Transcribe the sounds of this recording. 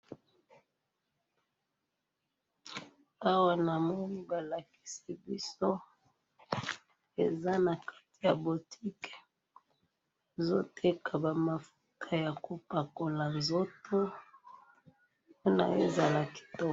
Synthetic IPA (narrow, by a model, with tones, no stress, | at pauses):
a˦wa˦na˨mɔ˦ni˦ba˨la˨ki̥˦si˨bi˦so˦ | e˨za˦na˨kḁ˦ti̥˨ja˨bo˨tʰi˦kɛ̥˨ | zo˦tʰe˦kʰa˨ba˨ma˨fu˦kʰa˨ja˨ko˨pa˨ko˨la˨nzo˦tʰo˦ | po˦na̰˨ḛ˦za˨la˨ki̥˨to˦